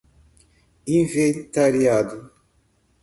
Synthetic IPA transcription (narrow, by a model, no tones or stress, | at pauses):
ĩvent̪aɾiad̪ʊ